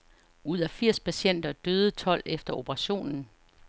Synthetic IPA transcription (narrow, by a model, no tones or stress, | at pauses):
uð̞̰ˠæfiɐ̰spʰæɕen̰d̥ɐd̥øːð̞̩ˠət͡sʰɒ̽l̰efd̥ɐo̝b̥ɐʁɑ̈ɕo̝̰ːnn̩